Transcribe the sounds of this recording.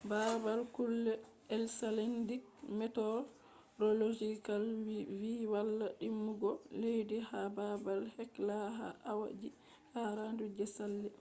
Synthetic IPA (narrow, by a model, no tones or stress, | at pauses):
babalkulːɛ | ɛlsalandik̚mɛtɔ | ɾɔlod͡ʒikalwiwalːaɗimːuɡɔlejdihababalhɛklaɦa̰ʔawa̰d͡ʒi | haɾandud͡ʒɛsalːɛ